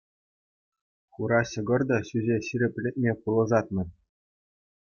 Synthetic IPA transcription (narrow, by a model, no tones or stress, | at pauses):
χuɾɑɕɤ̆ɡɤ̆rd̪ɑɕyzʲeɕiɾʲɘ̆pʲlʲɘ̆t̪̚ʲmʲepulˠɤ̆ʐɑt̪̚nɤ̆